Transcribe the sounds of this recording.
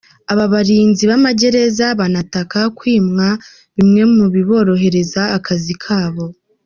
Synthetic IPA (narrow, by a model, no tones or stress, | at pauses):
aβaβaɾiːnziβamaɟe̞ɾe̞zaβanatakakwiːmŋa | βimŋe̞muβiβo̞ːɾo̞ɦe̞ɾe̞zaːkʰazikʰaːβo̞